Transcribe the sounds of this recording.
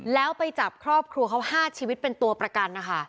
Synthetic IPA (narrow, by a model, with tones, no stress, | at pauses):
lɛː˦˥wpa˧jt͡ɕa˨˩p̚kʰɾɔː˥˩p̚kʰɾu˧əkʰa˦˥whaː˥˩t͡ɕʰiː˧wi˦˥t̪̚pe˧nt̪u˧ɐpɾa˧ka˧nːa˦˥kʰa˦